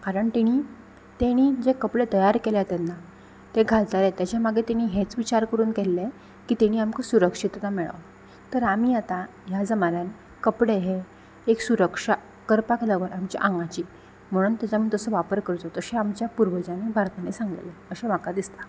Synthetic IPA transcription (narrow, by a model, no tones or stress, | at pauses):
kaɾəɳt̪eɽ̃iː | t̪eɽ̃iːd͡zekəpɽet̪əjaɾkeljat̪ɛnːa | t̪eɡʱalt̪aɾet̪jat͡ɕamaɡʱet̪eɽ̃iːɦet͡sʋit͡ɕaɾkəɾuːnkelːe | kiːt̪eɽ̃iːamkəsuɾəkʂit̪t̪amɛɭə̰ʋ | t̪əɾamiːat̪a | jad͡zəmanan | kəpɽeɦe | eksuɾəkʂa | kəɾpakləʋəɾamt͡ɕa̰ʔaŋɡat͡ɕiː | m̤əɽ̃uːnt̪jat͡samiːt̪əsəːʋapəɾkəɾt̪ot̪əɕeamt͡ɕjapuɾʋəd͡ʑanebʱaɾt̪anesãŋɡleəɕem̤akad̪ist̪ḁ